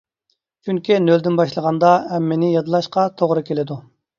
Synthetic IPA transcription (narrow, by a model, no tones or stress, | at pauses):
t͡ʃʰyŋkʲinøld̪ɪnbɑʃlˠəʁɑnd̪ɑɛmːɪnɪjɑd̪ɨlˠɑʃqɑt̪ʰoʁɾɨkʲʰelɪd̪u